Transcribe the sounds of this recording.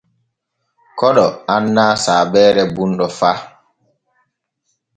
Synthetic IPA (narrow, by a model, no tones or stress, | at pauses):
kɔɗɔanːaːsaːbɛːɾɛbunɗɔfaː